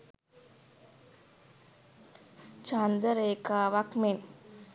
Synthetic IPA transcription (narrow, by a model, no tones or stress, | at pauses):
t͡ʃand̪əɾeːkaːʋakmen